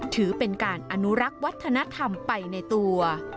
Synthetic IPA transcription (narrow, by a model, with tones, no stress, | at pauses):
t̪ʰɯː˩˦pe˧nkaː˧nʔa˧nu˦˥ɾa˦˥k̚wa˦˥t̪ʰːa˧na˦˥t̪ʰa˧mpa˧jna˧jt̪u˧ɐ